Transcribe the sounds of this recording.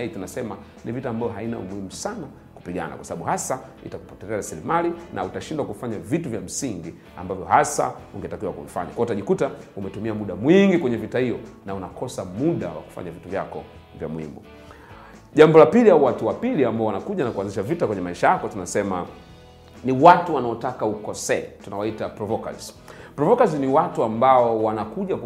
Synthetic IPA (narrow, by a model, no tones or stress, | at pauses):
itunasɛma | nivitaːmbavɔɦaina̰ṵmuhimusana | ku̥piɠa̰na̰kwasaɓaɓuhasa | ḭtaku̥pɔ̥tɛlɛaɾasilimalinʔa̰utaʃindwakuifaɲavituvjam̩siŋɡi | a̰mbavjɔɦasa̰uŋɡɛtakiwakuvifa̰ɲakwaɔutaʄikutaumɛtumiamuɗamwiŋɡikwɛɲɛvitahijɔnaunakʰɔsamuɗa̰wa̰ku̥fa̰ɲavituvja̰kɔ̰ | vja̰mwḭmbɔ̰ | ʄambɔlapiliaɔwatuwapiliambaɔwanakuʄanakuanziʃavitakwɛɲɛmaiʃajakɔtunasɛma̰ | niwatuwanaɔtakaukɔsɛatunawaitapɾɔvɔka̰z̥pɾɔvɔkaziniwatuambaɔwanakuʄa